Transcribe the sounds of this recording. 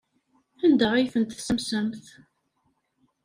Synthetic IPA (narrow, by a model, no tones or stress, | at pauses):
ænd̪əʁiθənt̪θsəmsəmθ